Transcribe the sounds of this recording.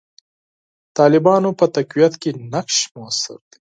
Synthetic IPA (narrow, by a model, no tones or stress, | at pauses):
t̪ɑːlɪbɑnopət̪akwijat̪kenakʃmʊasɪ̰ɾd̪̥i̥